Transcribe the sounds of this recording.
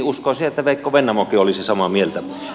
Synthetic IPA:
uskoˑsiet̪ːæʋeˑikːoʋenːæmokiolisisɑmɑmielt̪æ

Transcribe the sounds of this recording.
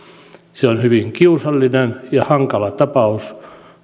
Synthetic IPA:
seonhyʋiŋkiusɑlːinenjɑhɑŋkɑlɑt̪ɑpɑus

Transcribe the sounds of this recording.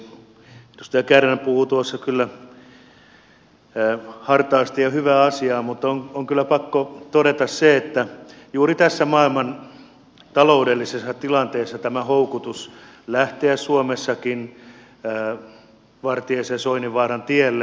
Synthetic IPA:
t̪ost̪ækærːæmpuhut̪uosːɑkylːæ | hɑrt̪ɑːst̪ijɑhyʋæːɑsiɑːmut̪ːoŋoŋkylːˑæpɑkːot̪oɾet̪ɑsseet̪ːæjuːrit̪æsːæmɑilmɑn | t̪ɑloudelːisesːɑt̪ilɑnt̪eːsːɑt̪æmæhoukut̪us | læht̪eæssuomesːɑkinː | ʋɑrt̪iesesoiniʋɑːrɑnt̪ielːe

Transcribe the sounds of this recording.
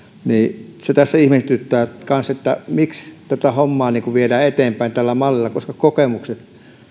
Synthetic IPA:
niːset̪æsːæihmet̪yt̪ːæːkɑnset̪ːæ̰mikst̪æt̪æhomːɑːniːŋkuʋiedæːet̪eːmpæint̪ælːæmɑlːilːˑɑkoskɑkokemukset̪

